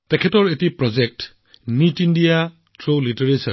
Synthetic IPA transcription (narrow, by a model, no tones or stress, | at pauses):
tekʰetɔɾetipɾɔd͡ʒek̚t | nitindija | tɾoliteɾesɐ̰ɾ